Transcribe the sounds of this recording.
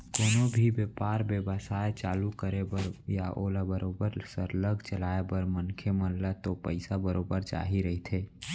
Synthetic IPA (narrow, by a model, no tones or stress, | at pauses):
koːnobʱibjepaːɾbeːbasaːet͡ʃaːlukəɾebəɾjaʔoːlabəɾoːbəɾsəɾləɡt͡ʃəlaːebəɾmənkʰemənlat̪opəɪsabəɾoːbəɾt͡ʃa̰ːɦiɾəɦit̪ʰeː